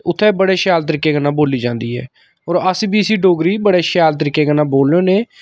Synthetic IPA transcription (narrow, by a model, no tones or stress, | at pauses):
ʊt̪ʰːɛːbəɽeːʃjaːlt̪əɾiːkːeːɡənːãːboːliːd͡ʒãːnd̪iːɦɛ̰ː | ɔːɾəsbiːəsiːɖoːɡɾiːbəɽeːʃjaːlt̪əɾiːkeːɡənãːboːlːõːneː